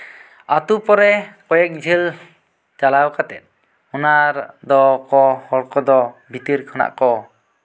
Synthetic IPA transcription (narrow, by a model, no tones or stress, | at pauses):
at̪upɔɾɛkɔjɛk̚d͡ʒʱil | t͡ʃalawkat̪ɛt̪̚ˀ | unaɾd̪ɔkɔhɔɽkɔd̪ɔbʱit̪iɾkʰana̰ʔkɔ